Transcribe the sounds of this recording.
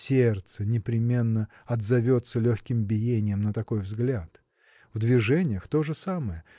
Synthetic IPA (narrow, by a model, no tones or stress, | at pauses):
sʲe̞rt̪sənʲɪpɾʲɪmʲe̞nːə | ɐd̪zɐvʲo̞t̪səlʲoxʲkʲɪmbʲɪjenʲɪjəmnət̪ɐko̞jvzɡlʲat̪ | vd̪vʲɪʐɛnʲɪjəxt̪o̞ʐɨsaməjə